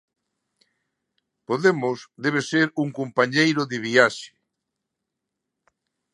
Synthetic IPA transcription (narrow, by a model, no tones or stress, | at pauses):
poðemʊsd̪eβ̞eseɾuŋkompaɲejɾoðɪβiaʃɪ̥